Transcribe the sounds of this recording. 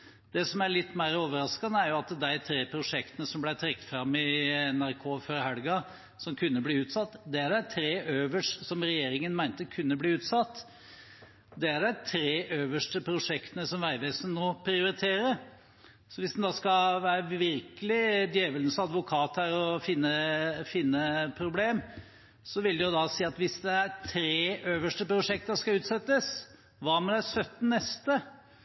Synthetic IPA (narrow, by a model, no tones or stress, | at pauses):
d̪ɛsɔmæɭɪt̪ːmæɪɾoːʋəɾɑskɑnəæɾjʊɑt̪̚d̪æɪt̪ʰɾeːpʰɾʊʂɛkt̪ənəsɔmblæɪt̪ʰɾɛkːt̪fɾɑmːɪɛnæɾkʰoːføɾhæɽɡɑ | sɔmkʰʉnːəbliːʉːt̪sɑt̪ːd̪ɛæɖæɪt̪ʰɾeːʔøːʋəʂʈsɔmɾɛjeːɾɪŋənmæɪnt̪əkʰʉnːəbliːʉːt̪sɑt̪ː | d̪ɛæɖæɪt̪ʰɾeːʔøːʋəʂʈəpʰɾʊʂɛkt̪ənəsɔmʋæɪʋeːsən̩ːoːpʰɾɪʊɾɪt̪ʰeːɾə | sɔʋɪsd̪ɛnd̪ɑːskɑʋæːɾəʋɪɾkəlɪd̪jeːʋəlnəsɑd̪ʋʊkʰɑːt̪hæɾɔfɪnːəfɪnːəpʰɾʊbleːm | sɔʋɪld̪ɛjʊd̪ɑsiːɑt̪ʋɪsd̪ɛæɾt̪ʰɾeːʔøːʋəʂʈəpʰɾʊʂɛk̚t̪ɑskɑʉːt̪sɛt̪ːəs | ʋɑːmɛd̪æsœt̪ːn̩nɛst̪ə